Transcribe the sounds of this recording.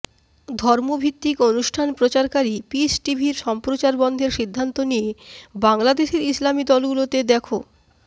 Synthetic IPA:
d̪ʱɔɾmobʱit̪ːikonuʃʈʰanpɾot͡ɕaɾkaɾipisʈibʱiɾʃɔmpɾot͡ɕaɾbɔnd̪ʱeɾʃid̪ʱːant̪onijebaŋlad̪eʃeɾislamid̪ɔlɡulot̪ed̪ɛkʰo

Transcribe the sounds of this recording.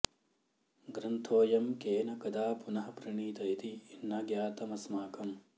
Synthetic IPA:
ɡɾɐnt̪ʰoːjɐmkeːnɐkɐd̪aːpunɐɦɐpɾɐɳiːt̪ɐjit̪iːnːɐɡjaːt̪ɐmɐsmaːkɐm

